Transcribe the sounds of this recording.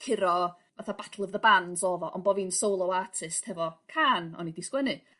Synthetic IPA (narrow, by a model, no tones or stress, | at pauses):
kʰɪɾɔ | vaθabatʰlˠəvðəbanzɔvɔʔɔnboviːnsowlˠɔwaːtʰɪsthɛvɔkʰaːnɔ̰nidiskwɛnɨ